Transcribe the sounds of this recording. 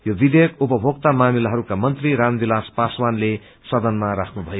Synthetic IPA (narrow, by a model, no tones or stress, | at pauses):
jobid̪ejʌkupʌbʱoɡ̚t̪amamilaɦʌɾukamʌnt̪riɾand̪ilaspaswanle | sʌd̪ʌnmaɾakʰnubʱʌjo